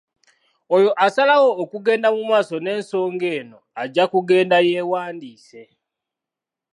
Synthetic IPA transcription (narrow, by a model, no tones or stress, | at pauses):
ojo̞ʔasalawo̞ːkuɡe̞ːndamumaːsone̞ːnso̞ːŋɡe̞ːno̞aɟːakuɡe̞ːndaje̞ːwaːndiːse̞